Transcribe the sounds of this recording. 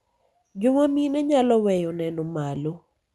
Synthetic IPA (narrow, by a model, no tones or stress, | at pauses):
d͡ʒoŋaminɛɲalɔwɛjɔnɛnɔmalo